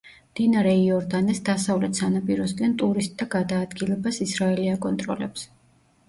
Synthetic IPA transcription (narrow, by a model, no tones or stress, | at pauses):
md̪̥inaɾɛiɔɾd̪anɛsd̪asavlɛt̪ʰsanapʼiɾɔsɡant̪ʼuɾist̪ʼd̪aɡad̪aːd̪ɡilɛbasisɾaɛliakʼɔnt̪ʼɾɔ̰lɛps